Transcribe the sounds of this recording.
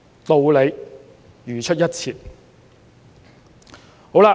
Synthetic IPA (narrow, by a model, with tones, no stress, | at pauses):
t̪o˨wle˨˧j | jyː˨˩t͡ʃʰɵ˥t̚jɐ˥t̚t͡sʰiː˨˩t̚ | ho˨˥wla˧